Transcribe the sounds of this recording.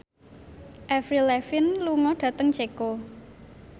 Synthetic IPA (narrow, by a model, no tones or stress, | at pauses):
ʔɛfɾilɛfɪnluŋɔɖ̥ä̤t̪əŋd͡ʒeko